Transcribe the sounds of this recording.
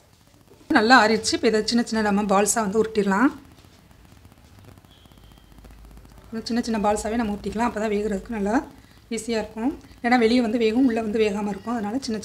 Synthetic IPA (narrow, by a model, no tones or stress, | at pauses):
nɐlːaaːɾɪɾt͡ʃːɯpːɐɪðɐt͡ʃɪnːɐt͡ʃɪnːɐnɐmːɐbaːlsaːʋɐnd̪ɯʊɾɯʈːɪɾɐlãː | nt͡ʃɪnːɐt͡ʃɪnːɐbaːlsaːʋeːnɐmɐʊɾʈːɪkːɐlãːɐpːoːt̪ãːʋeːɣɯɾɐðɯkːɯnɐlːɐ | ʋiːsɪjaːɪɾɯkːʊ̃eːnːaːʋɛɭɪjɐʋɐnd̪ɯʋeːɣʊ̃ʊɭːɐʋɐnd̪ɯʋeːɣaːmɐɪɾɯkːʊ̃ɐðɯnaːlɐt͡ʃɪnːɐ